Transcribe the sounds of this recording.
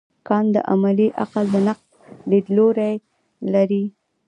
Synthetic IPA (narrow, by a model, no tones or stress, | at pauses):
kɑnd̪ə̰ʔa̰maliʔaqald̪ənaqs | led̪loɾaj | laɾi